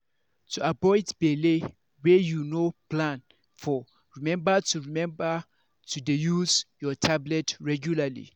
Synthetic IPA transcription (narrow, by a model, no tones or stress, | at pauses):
tʰuabɔjdbele | wɛjunoplãn | fɔ | ɹimɛ̃mbətʰuɹimɛ̃mbə | tʰudejuzjɔtʰablɛtɹɛɡjulalḭ